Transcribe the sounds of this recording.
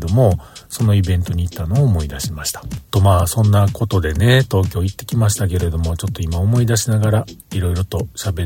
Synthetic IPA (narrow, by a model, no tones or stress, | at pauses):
d̪o̞mo̞so̞no̞ibẽ̞nt̪o̞ɲ̟iːt̪ːano̞ːmo̞id̪aɕimaɕi̥t̪ḁt̪o̞maːsõ̞nːako̞t̪o̞d̪e̞ne̞t̪o̞ːk̬ʲo̞ːit̪ːe̞kʲimaɕ̬i̥t̪ak̬e̞ɾe̞d̪o̞mo̞t͡ɕo̞t̪ːo̞imaomo̞id̪aɕinaɡaɾaiɾo̞iɾo̞t̪o̞ɕabe̞